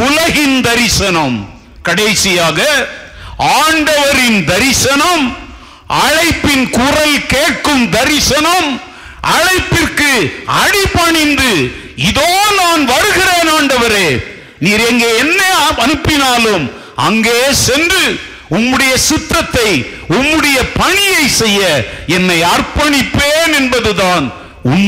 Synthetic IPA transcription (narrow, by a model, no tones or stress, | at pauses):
ʊlɐɣɪnd̪ɐɾɪsɐnɐm | kɐɽɐɪsɪjaːɣɐʔaːɳɖɐʋɐɾɪnd̪ɐɾɪsɐnɐm | ʔɐɻɐɪpːɪnkʊrɐlkeːʈ̚kɯmd̪ɐɾɪsɐnɐm | ʔɐɻɐɪpːɪrkɯɐɽɪpːɐɳɪnd̪ɯ | ɪðoːnaːnʋɐɽɯɣɪɾeːnaːɳɖɐʋɐɾeː | niːɾɛŋɡeːɛnːɐɐnɯpːɪnaːlɯm | ɐ̰ŋɡeːsɛndrɯ | ʊmːɯɽɐjɐsɪt̪ːɐt̪ːɐɪ | ʊmːɯɽɐjɐpɐɳɪjɐɪsɛjːɐɛnːɐɪɐrpɐɳɪpːeːnɛnbɐðɯðaːn | ʊn